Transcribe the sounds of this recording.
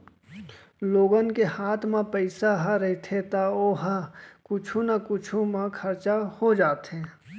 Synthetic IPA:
loːɡənkehaːt̪ʰmãpəɪsaɦaɾɐit̪ʰet̪aoːɦəkʊt͡ʃʰũnakʊt͡ʃʰumãkʰɐɾt͡ʃahod͡ʒaːt̪ɦẽː

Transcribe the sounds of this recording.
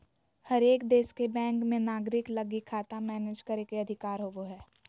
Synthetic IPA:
hɐɾeːkd̪eːskebɛ̃ːŋkmẽnaːɡɾɪklɐɡikʰaːt̪amɛːneːd͡ʒkɐɾekeɐd̪ʱɪkaːɾɦoːɡoɦɛː

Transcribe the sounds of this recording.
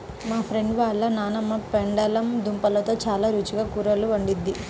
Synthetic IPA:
maːpʰɾeɳɖʋaːɭːɐnaːnɐmːɐpeɳɖɐlɐmd̪umpɐlɐt̪o̞ːt͡ʃaːlaːɾut͡ʃuɡaːkuːɾɐluɐɳɖid̪ːi

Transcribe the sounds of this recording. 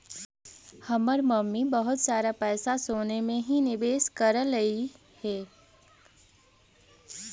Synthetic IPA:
hɐməɾməmːibəɦʊt̪saːɾapɛːsasoːnemẽɦinɪbeːskəɾləi | hɛː

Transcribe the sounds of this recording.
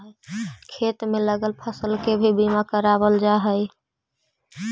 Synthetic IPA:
ɦkʰet̪meləɡəlpʰəsəlkebʱebimakəɾabəld͡ʒaɦəj

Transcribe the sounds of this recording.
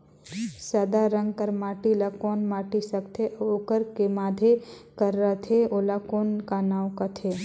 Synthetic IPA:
saːd̪aɾə̃ŋɡkəɾmaːʈilakɔːnmaːʈisəkt̪ʰeʔoːkəɾkemaːd̪ʱe | kəɾːət̪ʰeoːlakoːnkanaːwkət̪ʰeː

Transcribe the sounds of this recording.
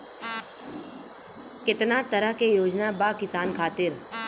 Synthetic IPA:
kɪt̪nat̪ɐɾəɦkejoːd͡ʒnabaːkɪsaːnkʰaːt̪ɪɾ

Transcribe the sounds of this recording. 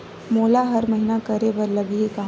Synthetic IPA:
moːlaɦɐɾmɐɦinakɐɾebɐɾlɐɡɦika

